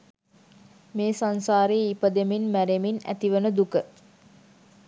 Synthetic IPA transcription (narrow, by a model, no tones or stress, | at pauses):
meːsansaːɾejipəd̪eminmæɾeminæ̰t̪iʋənəd̪ukə